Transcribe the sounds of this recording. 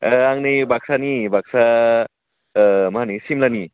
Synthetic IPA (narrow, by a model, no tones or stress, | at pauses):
aŋnɯjbak̚sanibak̚sa | mɐɦanisimlani